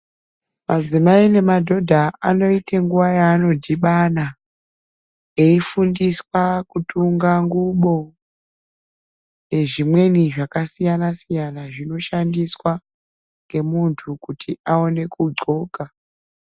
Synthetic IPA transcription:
mad͡zimaine̞madʱo̞dʱaano̞iteŋɡuʋajaːno̞dʱiɓana | e̞ifundiswakutuŋɡaŋɡuɓo̞ | ne̞ʐimwe̞niʐakasijanasijanaʐino̞ʃandiswa | ŋɡe̞muntʰukutʰiʔao̞ne̞kuɡ͡ǀo̞ːɡa

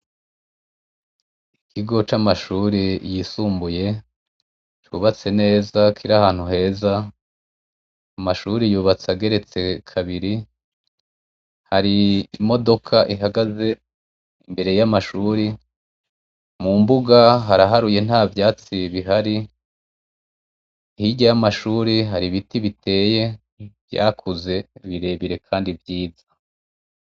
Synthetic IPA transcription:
ikʰiɡo̞t͡ʃamaʃuːɾijisuːmbuje̞ | t͡ʃuːβat͡se̞ne̞ːzakʰiɾahaːn̥huɦe̞ːza | maʃuːɾijuːβat͡saɡe̞ɾe̞t͡se̞kʰaβiɾi | haɾiːmo̞do̞kʰaʔiɦaɡaze̞ | imbe̞ɾe̞jamaʃuːɾi | mumbuɡaɦaɾaɦaɾuje̞n̥haːvjaːt͡siβiɦaɾi | hiɟajamaʃuːɾiɦaɾiβitiβite̞ːje̞ | vja̰ːkʰuze̞βiɾe̞βiɾe̞kʰaːndivjiːza

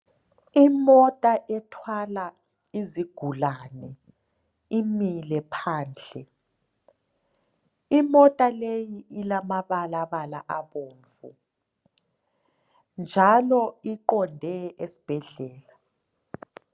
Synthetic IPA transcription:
imɔtʼaʔɛtʰwala | iziɡ̥ʱulaːnɛ | imilɛpʰaːnd͡ɮʱɛ | imɔtʼalejiʔilamaβalaβalaʔaβoːɱvṵ | nd͡ʒʱalɔiǃɔndʱɛesi̥b̥ʱɛɮɛːla

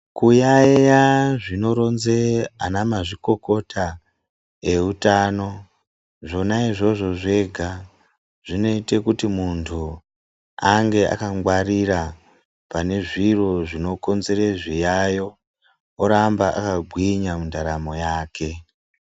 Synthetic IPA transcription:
kujajaʐino̞ɾo̞nzeanamaʐiko̞ko̞ta | e̞utano̞ | ʐo̞naiʐo̞ʐo̞ʐe̞ɡʱa | ʐ̥ino̞ite̞kutimuntʰu | aŋɡe̞a̰kaŋɡwaɾiɾa | pane̞ʐiro̞ʐino̞ko̞nze̞ɾeʐijajo̞ | oɾambaʔa̰kaɡʱwiɲamundaɾamo̞jaːkʰe̞

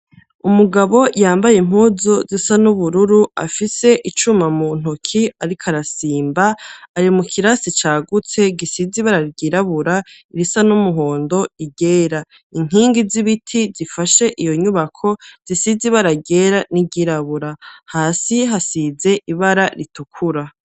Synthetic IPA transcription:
umuɡaβo̞jaːmbajem̥huːzozisanuβuɾuɾua̰fise̞ʔit͡ʃumamun̥okʰiaɾikʰaɾasiːmbaːɾimukʰiɾasit͡ʃaːɡut͡se̞ɡisiziβaɾaɾɡiɾaβuɾaiɾisanumuɦo̞ːndo̞iɟe̞ːɾa | iŋ̥iːŋɡiziβitʰizifaʃe̞ʔijo̞ɲuβakʰo̞z̥isiziβaɾaɟe̞ːɾaniɡiɾaβuɾahaːsiɦasize̞ʔiβaɾaɾitukʰuɾa

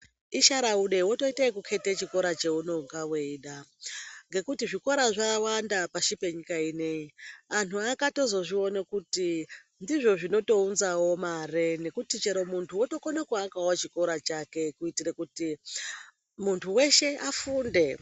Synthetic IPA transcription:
iʃaɾauɗe̞woto̞itaikukʰe̞tet͡ʃiko̞ɾat͡ʃe̞uno̞ɡawe̞iːɗa | ŋɡe̞kutiʐiko̞ɾaʐawandapaʃipe̞ɲikaine̞ianuakato̞zo̞ʐio̞nekuti | ndiʐo̞ʐino̞to̞unzawo̞marene̞kutit͡ʃe̞ɾo̞muntʰuwoto̞konekwaːkawot͡ʃiko̞ɾat͡ʃake̞kuitirekuti | muntʰuwe̞ʃe̞ʔafuːnde̞

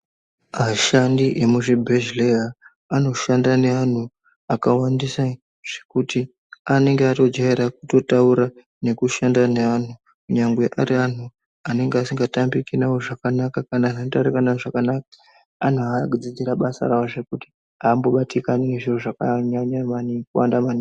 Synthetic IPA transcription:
maʃandiʔemuʐibʱeʒlea | ano̞ʃandane̞an̤u | akawandisa | ʐ̥e̞̥kuti | ane̞ŋɡeato̞d͡ʒaeɾak̚uto̞tauɾa | ne̞kuʃandane̞an̤u | kuɲaŋɡwe̞ʔaɾian̤u | ane̞ŋɡeasiŋɡatambikinawoʐakanakakanaʐantaɾikanaʐakanakḁ | an̤uakud͡zid͡ziɾaɓasa̰ɾaoʐe̞kuti̥ | aːmboɓatikanine̞ʐir̤uʐakaɲaɲamanikuwa̰ndamani

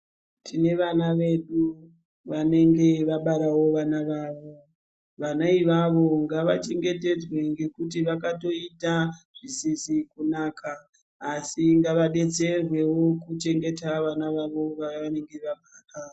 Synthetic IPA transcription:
tʰine̞ʋanaʋe̞ɗu | ʋane̞ŋɡe̞ʋaɓaɾawo̞ʋanaʋaːʋo̞ | ʋanaiʋaʋo̞ŋɡaʋat͡ʃe̞ŋɡe̞te̞d͡zwe̞ŋɡe̞kutiʋakato̞itaʐ̥isisikunaːkʰaː | siŋɡaʋaɗe̞d͡ze̞rwe̞wo̞kut͡ʃe̞ŋɡe̞taʋanaʋaʋo̞ʋaʋane̞ŋɡe̞ʋaɓaːra

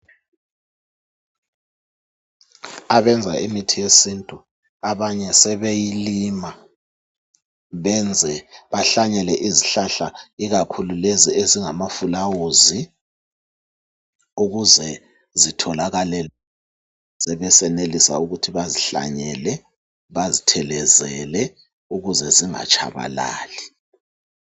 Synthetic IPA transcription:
aβɛnd͡zʱaʔimitʰijesintʼu | aβaɲɛsɛβejilima | βɛnd͡zʱɛβaɬaɲɛlɛʔiziɬaɬaiɣakʰululezieziŋamafulawuzi | uɣuzɛ | zitʰɔlaɣalɛ | z̥ɛβɛsɛnelisa̰uɣutʰiβaziɬa̰ɲɛlɛ | βazitʰɛlɛzɛlɛ | uɣuzɛziŋa̰t͡ʃʰʼa̰βa̰la̰ːli

